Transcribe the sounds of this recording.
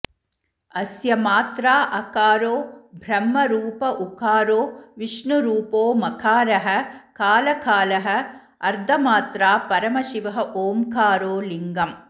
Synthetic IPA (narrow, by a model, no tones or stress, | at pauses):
ɐsjɐmaːt̪ɾaːʔɐkaːɾoːbʱɾɐmːɐɾuːpɐʔukaːɾoːʋiʂɳuɾuːpoːmɐkʰaːɾɐɦɐ̆kaːlɐkaːlɐɦɐ̆ | ɐɾd̪ʱɐmaːt̪ɾaːpɐɾɐmɐʃiʋɐɦɐʔoːmkaːɾoːliŋɡɐm